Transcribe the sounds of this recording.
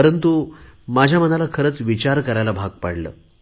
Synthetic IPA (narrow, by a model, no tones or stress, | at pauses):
əɾənt̪umad͡ʑʱjam̤ənalakʰəɾəːt͡sʋit͡ɕaɾkəɾajlabʱaɡ̚paɽlə̰ː